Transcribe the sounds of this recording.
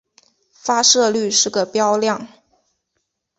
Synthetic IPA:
fa˥ʂɤ˥˧ly˥˧ʂɻ̩˥˩ɡə˩pjɑ˥ʊljɑ˥˩ŋ

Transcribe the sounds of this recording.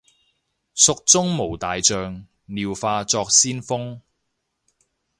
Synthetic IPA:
sʊ˨k̚t͡sʊ˥ŋmo˨˩wt̪aː˨jt͡sœː˨˧ŋ | niː˨wfaː˧t͡sɔː˧k̚siː˥nfʊ˥ŋ

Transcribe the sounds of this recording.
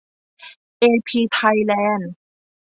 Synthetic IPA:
ʔeː˧pʰiː˧t̪ʰa˧jlɛː˧˥˩n

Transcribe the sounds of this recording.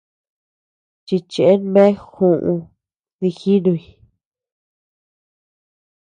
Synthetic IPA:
t͡ʃi˧t͡ʃe˨e˦nmẽ˦xũ˧˨ʔũ˧ | ði˧xi˦nũ˧i˧˨

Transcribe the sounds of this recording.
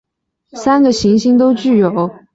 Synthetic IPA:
sa˥nɡə˨ɕi˧˥ŋɕi˥ŋt̪̬o˥ʊt͡ɕy˥˩jo˨˩˦ʊ

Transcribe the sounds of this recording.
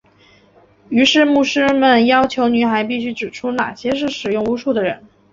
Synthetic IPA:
y˧˥ʂɻ̩˥˧mu˥˩ʂɻ̩˥mə˨njɑ˥ʊt͡ɕʰjo˧˥ʊny˧˥xa˧˥ɪp̬i˥˩ɕy˥ʈ͡ʂɻ̩˨˩ʈ͡ʂʰu˥na̰˨˩ɕjɛ˥ʂ̬ɻ̩˥˩ʂɻ̩˨˩jʊ˥˩ŋu˧˥ʂu˥˩d̪ə˩ɻə̰˧˥n

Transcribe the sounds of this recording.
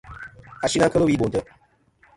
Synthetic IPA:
a˨ʃi˦ŋa˦kə˦lo˦wi˦ɓo˨ntə˨

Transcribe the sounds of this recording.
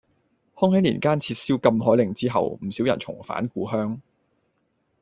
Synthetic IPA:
hɔː˥ŋɦɐ˨˥nlḭː˨˩nkaː˥nt͡sʰiː˧t̚siː˥wkɐ˧mɦɔː˨˥jlɪ˨˧ŋt͡siː˥ɦɐ̰˨wm̩˨˩siː˨˥wjɐ˨˩nt͡sʰʊ̰˨˩ŋfa̰ː˨˥nkuː˧ɦœː˥ŋ

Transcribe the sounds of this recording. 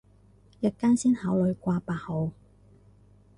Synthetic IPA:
jɐ˨kːaː˥nsiː˥nhaː˨˥wlɵ˨˧ɥkʷaː˧paː˧ho˨˧w

